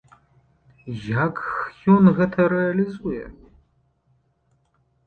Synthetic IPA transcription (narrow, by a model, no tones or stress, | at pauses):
jakxjonɣɐtʰɐɾealizujɛ̰